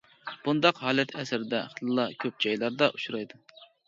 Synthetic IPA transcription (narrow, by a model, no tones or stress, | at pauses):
b̥und̪ɑqhɑːlˠɛt̪ʰɛsɪɾɪd̪ɛχəlɨlˠɑkʲʰøp̚d͡ʒɑjlˠɑɾd̪ɑʔuʃuɾɑjd̪u